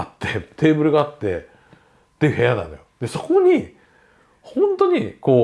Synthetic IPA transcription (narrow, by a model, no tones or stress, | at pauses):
at̪ːe̞t̪ʰe̞ːbɯ̟ɾɯ̟ɡaːt̪ːe̞̰ | t̪ːejɯ̟he̞janã̰nd̪a̰jod̪eso̞̥ko̞ɲ̟i | hõ̞nt̪o̞ɲ̟iko̞ː